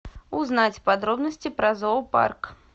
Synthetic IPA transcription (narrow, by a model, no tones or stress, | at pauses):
uznat͡sʲpad̪ɾɔbnɐsʲt͡sʲipɾɐzɔwpa̰rk